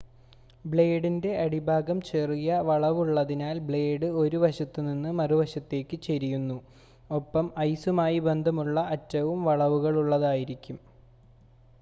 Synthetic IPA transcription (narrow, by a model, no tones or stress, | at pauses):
bɭe̞ːɖinde̞ʔɐɽibʱaːɡɐmt͡ɕerijɐʋɐɭɐʋuɭːɐðinaːlbɭe̞ːɖɨo̞ɾuʋɐɕɐt̪ːɨninːɨmɐruʋɐɕɐt̪ːe̞ːkːɨt͡ɕeɾijunːu | o̞pːɐmɐjsumaːjibe̞nd̪ʱɐmuɭːɐɐtːɐʋumʋɐɭɐʋuɣɐɭuɭːɐðaːjiɾikʲːum